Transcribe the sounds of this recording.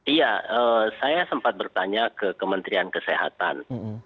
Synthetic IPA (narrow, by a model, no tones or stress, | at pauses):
ijaəsajasəmpat̪̚bərt̪aɲakəkəmənt̪ɾiankəseɦa̰t̪a̰n